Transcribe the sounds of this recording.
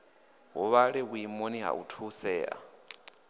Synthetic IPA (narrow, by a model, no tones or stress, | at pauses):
ɦuβaɺɛβuimoniɦa̰ʔṵtʰusɛːʔa̰